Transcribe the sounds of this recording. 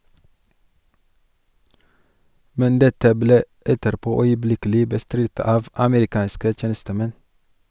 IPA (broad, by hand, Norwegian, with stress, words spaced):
ˈmɛn ˈdɛtə ˈbleː ˈɛtəɾˌpoː œʏəˈblɪkəlɪ bəˈstɾɪt ˈɑːʋ ɑməɾɪˈkɑːnskə ˈtjeːnəstəˌmɛn